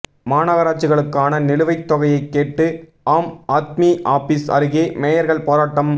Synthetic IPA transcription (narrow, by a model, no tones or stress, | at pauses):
maːnɐɣɐɾaːt͡ʃːɯɣɐɭɯkːaːnɐnɪlɯʋɐɪt̪ːɔɣɐjɐɪkːeːʈːɯ | aːmaːt̪miʔaːfɪsɐ̰ɾɯɣeːmeːjɐɾɣɐɭpoːɾaːʈːɐm